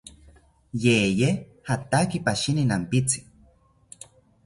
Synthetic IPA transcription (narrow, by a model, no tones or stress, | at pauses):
jeje | hat̪akipaʃininampit͡si̥